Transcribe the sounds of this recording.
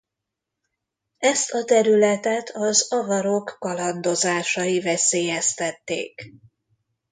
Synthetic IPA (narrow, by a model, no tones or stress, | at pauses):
ɛst̪ɒt̪ɛɾylɛt̪ɛt̪ʰɒzɒvɒɾo̞kːɒlɒnd̪o̞zaːʃɒjivɛseːjɛst̪ɛt̪ːḛːk